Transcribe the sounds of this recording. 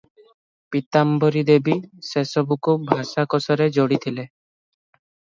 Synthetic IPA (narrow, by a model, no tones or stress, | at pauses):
pit̪ambɔɾid̪ebisesɔbukubʱaʃakɔsɔɾed͡ʒoɽit̪ʰile